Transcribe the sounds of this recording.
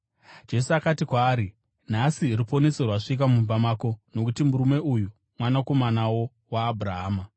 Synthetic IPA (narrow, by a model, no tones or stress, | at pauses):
d͡ʒe̞suakatikwaːɾi | nasiripo̞ne̞serwaʂik̬amumbamaːko̞no̞kutimuɾume̞uju | mwanako̞manawo̞ | waːbʱuraɦaːma